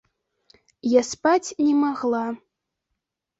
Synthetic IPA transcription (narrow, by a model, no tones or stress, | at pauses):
jaspat͡sʲnʲɛmaɣlˠa